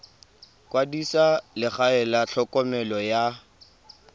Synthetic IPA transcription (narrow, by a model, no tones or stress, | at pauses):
kwadisalɪχaɛlaɬʰɔkʼɔmɛlɔja